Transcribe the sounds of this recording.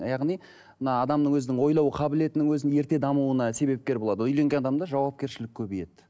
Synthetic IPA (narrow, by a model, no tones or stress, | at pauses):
jɑʁnij | mənɑːd̪ɑmnəŋwɵzɪnɪŋwo̞jlˠɑwəqʰɑbɪle̞t̪ɪnɪŋwɵzɪnje̞ɾt̪e̞d̪ɑmuənɑse̞be̞p̚kʲe̞ɾbo̞lˠɑd̪əʏjle̞ŋɡʲe̞nɑd̪ɑmd̪ɑʒɑwɑp̚kʲe̞ɾʃɪlɪkʲʰɵbije̞t̪ɪ